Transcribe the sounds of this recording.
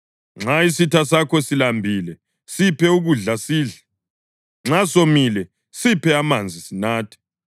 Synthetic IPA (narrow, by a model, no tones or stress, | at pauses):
ŋ͡ǁaisitʰasakʰɔsilambʱilɛ | sipʰɛuɣuɮasiːɮa | ŋ͡ǁasomilɛ | sipʰɛamand͡zʱisinaːtʰɛ̥